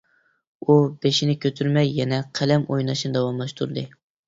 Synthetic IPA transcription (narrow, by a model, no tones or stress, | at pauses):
ubeʃinɪkʲʰøt̪ʰyɾmɛjːɛnɛqʰælɛmʔojnɑʃnɨd̪ɛwɑmlˠɑʃt̪ʰuɾɨd̪ɨ